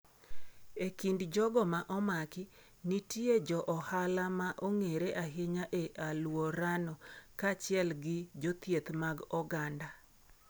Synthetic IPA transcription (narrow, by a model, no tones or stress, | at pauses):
ekindd͡ʒɔɡɔmaʔɔmakɪ | nitied͡ʒɔʔɔhalamaʔoŋeɾeʔaɦɪɲaʔeʔalwɔɾanɔkat͡ʃɪɛlɡɪd͡ʒot̪jet̪maɡɔɡanda